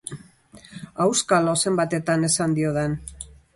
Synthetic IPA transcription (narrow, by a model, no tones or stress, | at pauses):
awskalose̞mbat̪e̞t̪ane̞sand̪io̞ðen